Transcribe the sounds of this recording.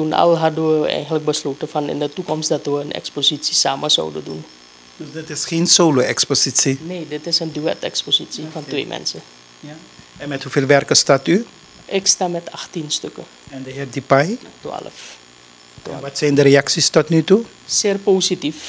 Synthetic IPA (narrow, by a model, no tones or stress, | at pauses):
tuna̰lɦadəʋəɛ̰jxəntlək̚bəsloːtəfanɪ̰ndətukɔmstdatʋəənɛ̰ksposisisaːməsɔ̰wdə̰dun | døsdɪtɪsχeːnsoːloɛksposisineːdɪtɪsəndyɛtɛ̰ksposisifɑntʋḛːmʔɛ̰nsə | ɛnmɛthufeːlʋɛrkəstaːty | ʔɪkstaːmɛtaxtinstøkə | ɛndəɦɛr̚dipajtwa̰ːləf | twaːʋatsɛjndəɾeaksistɔtnytu | sɪːrpoːsitif